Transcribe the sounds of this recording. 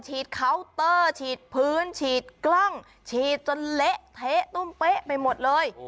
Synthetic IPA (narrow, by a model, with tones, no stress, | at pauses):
t͡ɕʰiː˨˩t̪̚kʰa˧˦˥wt̪ɤː˧˩t͡ɕʰiː˨˩t̪̚pʰɯː˦˥nt͡ɕʰiː˨˩t̪̚klɔ˥˩ŋ | t͡ɕʰiː˨˩t̪̚t͡ɕo˧nle˦˥ʔt̪ʰe˦˥ʔt̪u˧˥˩mpe˦˥ʔpa˧jmo˨˩t̪̚lɤː˧j